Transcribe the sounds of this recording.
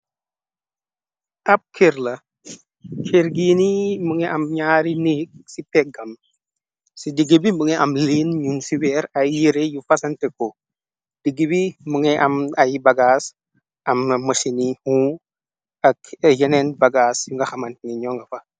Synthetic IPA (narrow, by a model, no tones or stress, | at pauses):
ʔɐp̚kʰeɾlɐ | kʰeɾɡiːniməŋɛʔɐmɲaːɾinik̚sipɛɡɐm | sidiɡibiməŋɛʔɐmlinɲumsiwɛːɾɐjːiɾejufɐsɐntɛko | d̥əɡːibiməŋɛʔɐmɐjbɐɡaːs | ɐmmɐʃinihũ | ɐkjɛnɛnbɐɡaːsjuŋɡɐxɐmɐntniɲɔŋɡɐfɐ